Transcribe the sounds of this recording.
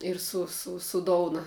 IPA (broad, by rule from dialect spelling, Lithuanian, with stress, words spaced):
ɪr ˈsʊ sʊ sʊ ˈdoːʊnɐ